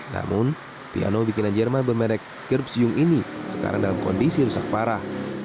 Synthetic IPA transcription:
na̰mʊn | pia̰nobikinand͡ʒərmanbərmɛɾɛk̚ | ɡərpsjʊŋʔinisə̥ka̰ɾa̰ŋdalamko̰ndisiɾusak̚paɾah

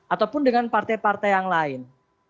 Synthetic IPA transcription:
ʔat̪awpʊndəŋanpart̪ajpart̪ajaŋlaɪn

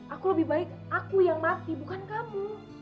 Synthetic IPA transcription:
ʔakuləbɪhbaɪk̚ | akujaŋmat̪ibukankamu

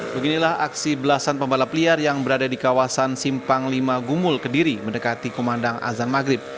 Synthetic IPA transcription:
bəɡinilahaksibəlasanpəmbalapəliarjaŋbəɾadadikawasansimpaŋlimaɡumʊlkədiɾiməndəkat̪ikomandaŋʔa̰zanmaɡɾɪp̚

